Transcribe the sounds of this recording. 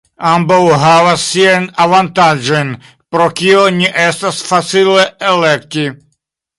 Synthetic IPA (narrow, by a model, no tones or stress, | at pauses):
ambawɦavasːiajnavant̪ad͡ʒojn | pɾokioniʔestasfat͡sileelekt̪i